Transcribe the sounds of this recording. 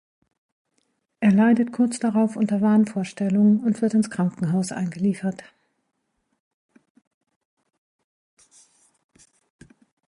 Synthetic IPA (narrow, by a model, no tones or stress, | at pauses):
ʔeːɐlaɪdətkʰʊɐt͡sd̥aʁaʊfʔʊntɐvaːnfoːɐʃtɛlʊŋənʊntv̥ɪɐtɪnskʁ̥aŋkŋ̩ɦaʊsʔa̰ɪnɡəliːfɐt